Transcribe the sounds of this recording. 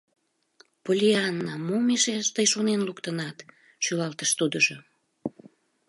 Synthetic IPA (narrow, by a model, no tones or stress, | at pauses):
polʲiɑnːɑmomeʃeʃt̪əjʃonenlukt̪ənɑt̪ | ʃylɑlt̪əʃt̪ud̪əʒo